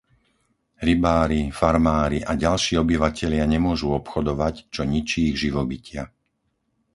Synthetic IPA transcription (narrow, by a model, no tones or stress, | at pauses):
ɾibaːɾifaɾmaːɾiʔaɟalʃiːɔbiʋacɛʎɪaɲɛmʊɔʒuɔpxɔd̪ɔʋact͡ʃɔɲit͡ʃiːɣʒiʋɔbicɪa